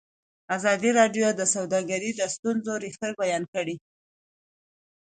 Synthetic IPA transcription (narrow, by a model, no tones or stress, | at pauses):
azɑd̪iɾɑɖjod̪əsawd̪ɑɡaɾid̪əst̪unzoɾixt̪əɾ̚bajɑnkəɽi